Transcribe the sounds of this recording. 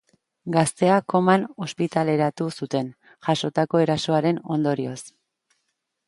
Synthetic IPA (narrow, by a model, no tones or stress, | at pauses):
ɡast̪e̞ako̞mano̞spit̪ale̞ɾat̪usut̪e̞n | ʝaʃo̞t̪ako̞e̞ɾaso̞aɾe̞no̞̰nd̪o̞ɾio̞s